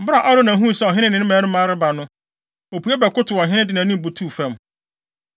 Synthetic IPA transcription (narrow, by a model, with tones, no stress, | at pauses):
m̩˨bɾa˨ʔa˦ɾo˦nã˨ɦũ˦˨sɛ˦ɔ˨ɦɪ̃˦ɪ̃˦nɪ̃˨˦nɪ̃˦mɛ̃ː˨˦ɾɪ̃˦mãː˦ɾɪ˦ba˨nʊ̃˦ | o˨pʰu˨ɛ˦bɛ˨kʊ˦tʰʊ˨ɔ˨ɦɪ̃˦nɪ̃˦dɪ˨nã˨nɪ̃˦m˨bu˨tʰuː˦˨fɛ̃˦˨m